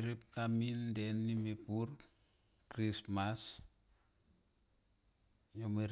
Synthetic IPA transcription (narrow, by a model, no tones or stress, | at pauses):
ɾip̚tamindenːimepuɾ | kɾismas | jomeɾ